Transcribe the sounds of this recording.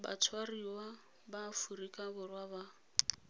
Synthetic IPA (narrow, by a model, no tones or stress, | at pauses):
ba̰t͡sʰwariwa | bafurikʼabʊrwaba